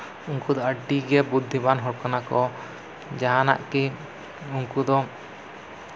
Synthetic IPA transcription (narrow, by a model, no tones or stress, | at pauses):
uŋkud̪ɔəɖiɡɛbud̪ʱːibanɦɔɽkanakɔ | d͡ʒaɦana̰ʔki | uŋkud̪ɔ